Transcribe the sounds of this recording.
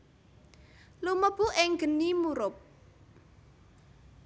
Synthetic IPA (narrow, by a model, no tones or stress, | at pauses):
luməb̥uʔɪŋɡ̥ə̤nimuɾʊp̚